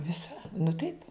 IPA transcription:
ˈʋʲɪsɐ nʊ tɐɪp

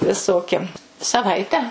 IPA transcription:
ʋʲɪˈsoːkʲɪ sɐˈʋɐɪtʲɛ

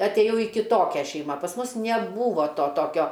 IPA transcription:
ɐtʲˈeːjɛʊ iː kʲɪˈtoːkʲæː ˈʃʲɛɪmɐ pɐs ˈmʊs nʲɛˈbuːʋoː ˈtoː ˈtoːkʲoː

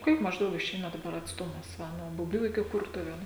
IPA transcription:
ˈkʲiɛk mɐʒˈdɐʊk ɪˈʃʲɛɪnɐ dɐˈbɐr ɐtsˈtʊmɐs ˈʋɐ nuɔ bʊˈbʲuː ɪkʲɪ ˈkʊrtʊʋʲeːnuː

